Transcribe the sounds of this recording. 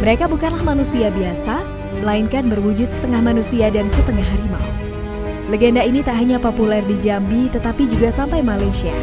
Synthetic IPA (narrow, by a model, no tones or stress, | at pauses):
məɾekabukanlahmanusiabiasa | məlainkanbərwud͡ʒʊt̪̚sə̥t̪əŋahmanusiadansət̪əŋaɦɾima̰ | leɡendainit̪aʔɦaɲapopulɛrdid͡ʒambit̪ət̪apid͡ʒuɡasampajmalajsia̰